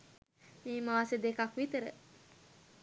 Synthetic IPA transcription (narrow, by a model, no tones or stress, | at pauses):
miːmaːsed̪ekakʋit̪əɾə̰